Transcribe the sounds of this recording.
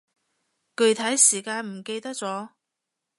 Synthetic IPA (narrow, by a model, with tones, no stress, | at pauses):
kɵ˧ɥt̪ʰɐ˨˥jsiː˨˩kaː˧nm̩˨˩ke˧jt̪ɐ˥k̚t͡sɔː˨˥